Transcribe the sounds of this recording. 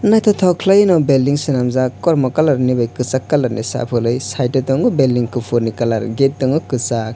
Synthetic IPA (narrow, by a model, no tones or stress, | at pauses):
najt̪ʰɔtʰawkʰlajnɔbeldiŋsɯnamzakɔɾmɔkalaɾnibajkɯsakːalaɾnʔḭsa̰pʰɯlɯjsajtetɔŋɯbeldiŋkɯpʰuɾnikalaɾɡet̚tɔŋɯkɯsak̚